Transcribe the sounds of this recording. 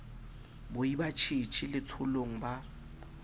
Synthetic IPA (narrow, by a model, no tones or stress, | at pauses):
bʊibat͡ʃʰit͡ʃʰilɪt͡sʰʊloŋ̩ba